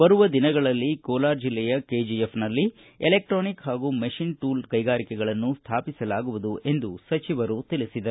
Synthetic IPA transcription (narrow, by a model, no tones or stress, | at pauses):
bɐɾuʋɐd̪inɐɡɐɭɐlːikoːlaːɾd͡ʒilːɛjɐkeːd͡ʒiepʰnɐlːi | elek̚ʈɾoːnikɦaːɡuːmɐʃinʈuːlkɐjɡaːɾikɛɡɐɭɐnːust̪ʰaːpisɐlaːɡuʋud̪uʔe̞nd̪usɐt͡ʃiʋɐɾut̪ilisid̪ɐ